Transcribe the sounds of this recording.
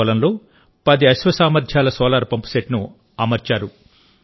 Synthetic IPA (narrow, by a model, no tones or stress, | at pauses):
lɐmloː | pɐd̪iɐʃʋɐsaːmɐɾd̪ʱjaːlɐsɔːlaːɾupɐmpu̥seʈnu | ɐmɐɾt͡ʃaːɾu